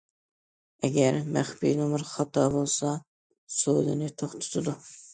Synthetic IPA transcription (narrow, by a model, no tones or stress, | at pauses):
ɛɡʲæɾmæχbḭjnomɾχɑt̪ʰɑːbolˠsɑ | solɪnɪt̪ʰoχt̪ʰʊ̥t̪ʰʊd̪u